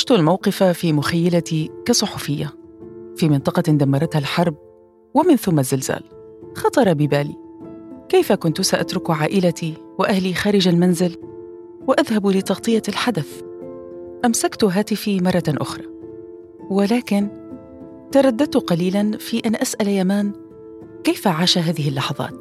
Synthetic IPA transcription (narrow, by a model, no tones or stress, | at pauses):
ɪʃt̪ʊlmawqɨfafiːmʊxajːalat̪ikasˤʊħʊfɪjːafiːmɪnt̪ˤɑqɑd̪amːɑɾˤɑt̪halħɑɾˤb̚ | wɪmɪnθʊmːazːɪlz̥a̰ːl | xɑt̪ˤɑɾˤɑbɪbaːlḭkajfakʊnt̪ʊsaʔat̪ɾʊkʕaːʔɪlat̪ʰiwɪʔahlixaːɾɪd͡ʒalmanzɪl | wɪʔaðhablɪt̪ɑɣt̪ˤɨjːalħad̪aθ | ʔamsakt̪ʊɦaːt̪ɪfimɑrˤːɑʔʊ̰xɾˤɑ | wɪlaːkɪn | t̪ɑɾˤɑd̪ːat̪ːʊqɑliːlanfiʔanʔasʔaljamaːn | kejfaʕaːʃaɦaːðɪhɪlːɑħɑðˤɑ̰ːt̪